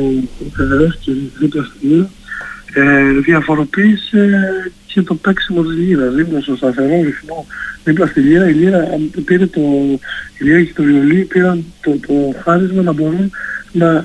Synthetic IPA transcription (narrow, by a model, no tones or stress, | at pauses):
teðeɾefciɾiðiplɐst̪iʎiɾɐ | eðiɐfo̞ɾo̞piːsece̞t̪o̞peksimo̞t̪̬izʎiɾɐzðiplost̪ost̪ɐθe̞ɾo̞ɾiθmo̞ðiplɐst̪iʎiɾɐiʎiɾɐpiɾet̪oiʎiɾɐcet̪oviolipiɾɐnt̪ot̪oxɐɾizmɐnɐbo̞ɾunnɐ